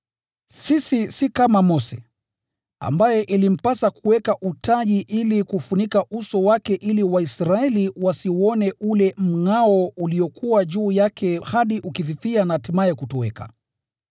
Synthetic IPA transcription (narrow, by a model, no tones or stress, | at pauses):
sisisikamamɔsɛ̰ | a̰mbajɛʔilim̩pasakuwɛkaʔutaʄiʔilikufunikaʔusɔwakɛʔiliwaisɾaɛliwasiɔnɛʔulɛm̩ŋaɔuliɔkʰuwaʄuːjakʰɛhaɗiʔukiviθianatimaɛkutɔwɛ̰ka̰